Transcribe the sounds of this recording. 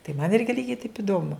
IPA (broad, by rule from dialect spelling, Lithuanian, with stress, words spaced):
tɐɪ mɐn ˈɪrʲɡʲɪ ˈlʲiːɡʲɛɪ tɐɪp ɪˈdoːmʊ